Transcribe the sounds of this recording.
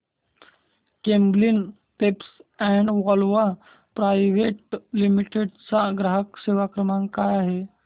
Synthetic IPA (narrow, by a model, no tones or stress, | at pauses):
kẽmblin | pepsɛɳɖʋɔlʋa | pɾajʋeʈlimiʈeɖt͡saɡɾaɦəkseʋakɾəmãŋkajaɦe